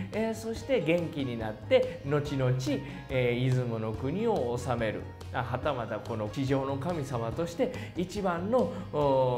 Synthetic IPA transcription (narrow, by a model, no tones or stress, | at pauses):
eso̞ɕi̥t̪e̞ɡẽ̞ŋkʲiɲ̟inat̪ːe̞no̞t͡ɕino̞t͡ɕi | izɨmɯno̞kɯ̟ɲ̟io̞ːsame̞ɾɯ̟̰ | aɦat̪amad̪ako̞no̞iʑo̞ːno̞kamʲisamat̪o̞ɕi̥t̪e̞it͡ɕibãnːo̞